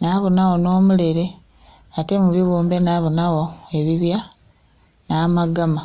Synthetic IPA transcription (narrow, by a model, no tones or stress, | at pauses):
naβonawo̞no̞ːmuleɾe̞ | atemuβiβuːmbe̞naβonawoe̞βiβja | naːmaɡama